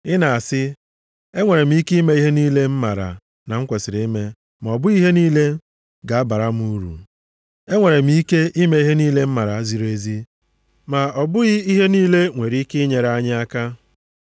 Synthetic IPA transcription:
ɪ˦na˨a˨sɪ˦ | e˦ŋʷe˨ɾe˨m̩˦i˦kme˦i˦ɦe˦niː˦le˦m̩˦ma˨ɾa̰˨ | na˨ŋ̩˦kʷe˨sɪ˨ɾe˦i˦me˦ | ma˨ɔ˨bʊ˦ɣi˦ɦe˦niː˦le˦ | ɡa˨a˦ba˨ɾa˦m̩˦u˦ɾṵ˨ | e˦ŋʷe˨ɾe˨m̩˦ke˦ʔi˦me˦i˦ɦe˦niː˦le˦m̩˦ma˨ɾa˨a˦zi˨ɾo˦e˦zi˦ | ma˨ɔ˨bʊ˦ɣɪ˦i˦ɦe˦niː˦le˦ŋʷe˨ɾi˦kɪ˦ɲe˨ɾa˦ɲɪ˦a˦ka˦

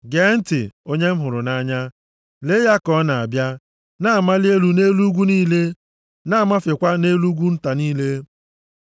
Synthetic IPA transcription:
ɡe˨˦n̩˦tɪ̰˨o˦ɲe˦m̩˦ɦʊ˨ɾʊ˨na˦ɲa˦ | le˦ja˦kɔ˦na˨a˨bja˦ | na˦a˨ma˦lɪ˦e˦lu˨ne˦lu˦ɡʷu˦niː˦le˦ | na˦˨ma˦fe˨kʷa˦ne˦lu˦ɡʷu˦n̩˦ta˨niː˦le˦

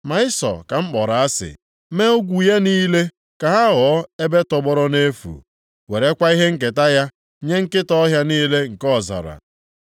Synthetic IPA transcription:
ma˨ɪ˦sɔ̰˨ka˨m̩˦k͡pɔ˨ɾa˨a˦sɪ̰˨ | me˦o˦ɡʷu˨ja˦niː˦le˦ | ka˨ɦa˦ɣɔ˨˦e˦be˦tɔ˨ɡ͡bɔ˦ɾɔ˦ne˦fṵ˨ | we˨ɾe˦kʷa˦i˦ɦe˦ŋ̩˦k̬ɪ˨ta˦ja˦ | ɲe˦ŋ̩˦kɪ˦tɔ˦ɦja˦niː˦le˦ŋ̩˨kɔ˦˨za̰˨ɾa̰˨

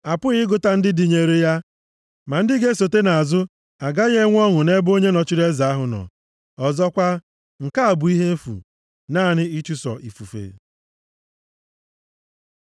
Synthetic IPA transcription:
a˨pʊ˦ɣɪ˦ɡʊ˨ta˦n̩˦dɪ˦di˨ɲe˨ɾe˦ja˦ | ma˨n̩˦dɪ˦ɡe˦so˨te˦na˨a˨zʊ˦ | a˨ɡa˦ɣe˦ŋʷ˦ɔ˦ŋʊ˨ne˦bo˦ɲe˦nɔ˨t͡ʃi˦ɾe˦za˨a˦ɦʊ˨nɔ̰˨ | ɔ˨zɔ˦kʷa˦ | ŋ̩˨ka˦a˨bʊ˨i˦ɦe˦m̩˦fṵ˨ | naː˦˨nɪ˦i˦t͡ʃu˦sɔ̰˨ʔi˨fu˨fḛ˨

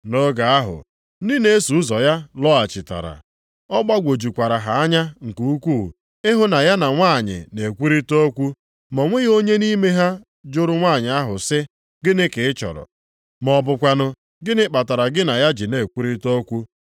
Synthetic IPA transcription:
no˦ɡa˨a˦ɦʊ̰˨˦ | di˦ne˦e˦su˨˦zɔ˨ja˦lɔ˦a˨t͡ʃɪ˨ta̰˨ɾa̰˨ | ɔ˦ɡ͡ba˦ɡʷo˨d͡ʒu˨kʷa˨ɾa˨ɦa˨a˦ɲa˦ŋ̩˨ku˨u˦kʷuː˦˨ | ɪ˦ɦʊ˦na˨ja˦na˨ŋʷaː˦˨ɲɪ̰˨ne˨kʷu˦ɾi˦to˦kʷu˦ | mɔ˨ŋʷe˦ɣo˦ɲe˦ni˦me˦ɦa˦ | d͡ʒʊ˦ɾʊ˦ŋʷa˦˨ɲɪ˨a˦ɦʊ˨sɪ˦ | ɡɪ˦nɪ˦kɪ˨ɪ˦t͡ʃɔ̰˨ɾɔ̰˨ | mɔ˨bʊ˨kʷa˨nʊ˦ | ɡɪ˦nɪ˦k͡pa˨ta˨ɾa˨ɡɪ˦na˨ja˦d͡ʒɪ˨ne˨kʷu˦ɾi˦to˦kʷu˦

